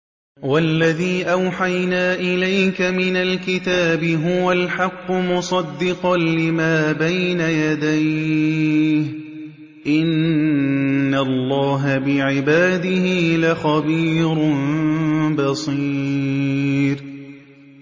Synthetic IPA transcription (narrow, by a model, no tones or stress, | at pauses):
walːaðiːʔawħajnaːʔɪlajkamɪnalkɪt̪aːbɪɦʊwalħɑqːʊmʊsˤɑd̪ːɪqɑnlɪmaːbajnajad̪aj | h | ʔɪnː | alˤːɑːɦabɪʕɪbaːd̪ɪhiːlaxɑbiːɾʊnbɑsˤi | ɾ